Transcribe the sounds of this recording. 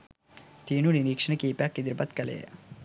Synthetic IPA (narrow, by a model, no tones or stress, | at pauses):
t̪iːnuniɾiːkʂɐɳɐkiːpjakːid̪iɾpɐt̪kɐlḛː